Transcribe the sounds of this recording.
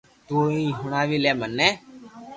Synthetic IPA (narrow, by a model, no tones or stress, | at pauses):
t̪oːiːɦʊɳaːʋiːleːmənːeː